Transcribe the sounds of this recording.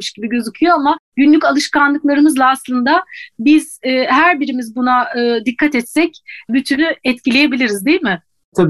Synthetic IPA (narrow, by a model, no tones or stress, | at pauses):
ɯʃɟibiɟø̞zycʰyjo̞amaɟynlʲycalˠɯʃkanlˠɯklˠaɾɯmɯzlˠaːslˠɯnd̪abiz̥ɛːhæɾbiɾimizbunaɯːd̪ikʰːat̪ɛt̪sɛcbyt̪ʰynyɛt̪cilʲeje̞bilʲiɾizd̪ejilʲmɪ | t̪ʰabi